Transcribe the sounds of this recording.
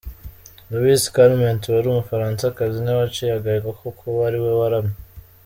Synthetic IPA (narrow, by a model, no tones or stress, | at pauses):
lowiskaɾmentwaɾumufaɾaːnsakazinaβat͡ʃejaɡaɡakʰokʰowaɾiwewaɾame